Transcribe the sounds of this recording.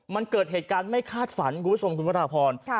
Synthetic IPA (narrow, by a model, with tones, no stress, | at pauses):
ma˧nkɤː˨˩t̪̚ɦeː˨˩t̪̚kaː˧nma˥˩jkʰaː˥˩t̪̚fa˩˦nkʰuː˧mpːt͡ɕʰo˧mkʰu˧npʰa˦˥ɾaː˧pʰɔː˧n